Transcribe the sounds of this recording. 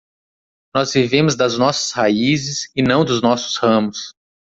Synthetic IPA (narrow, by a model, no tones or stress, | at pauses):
nɔzvivẽmʊzd̪ɐznɔsɐ̥shaizɪsɪnɐ̃w̃d̪ʊznɔsʊ̥shɐ̃mʊs